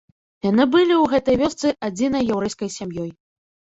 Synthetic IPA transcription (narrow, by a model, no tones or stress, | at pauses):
janɨbɨlʲiwɣɛt̪ɐjvʲɔst̪sɨʔad͡zʲinɐjːawɾɛjskɐjsʲamjɔj